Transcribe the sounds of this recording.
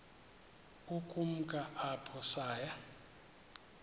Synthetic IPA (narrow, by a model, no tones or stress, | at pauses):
ukʼum̩kʼaʔapʰɔsaːja